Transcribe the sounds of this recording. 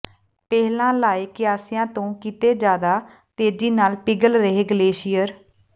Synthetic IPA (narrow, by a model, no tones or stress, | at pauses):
pɛːɦlãːlaːeːkɪjaːsɪjãːt̪õːkit̪eːd͡ʒaːd̪aː | t̪eːd͡ʒiːnaːlpɪɡəlɾəɦeːɡəleːʃɪjəɾ